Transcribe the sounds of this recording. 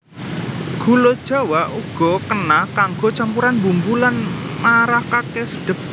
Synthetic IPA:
ɡ̥ṳlod̥ʒ̥a̤waʔuɡ̥ɔ̤kənahkaŋɡɔt͡ʃampuɾanmbumbulanmaɾahkakesəɖ̥ə̤p̚

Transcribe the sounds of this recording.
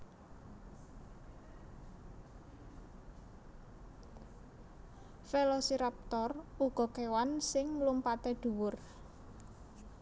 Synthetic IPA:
felosiɾap̚t̪ɔruɡ̥ɔ̤kewansɪŋlumpat̪eɖ̪̥ṳwʊr

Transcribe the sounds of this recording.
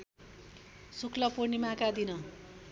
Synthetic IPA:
sukʰlʌpunimakad̪inʌ

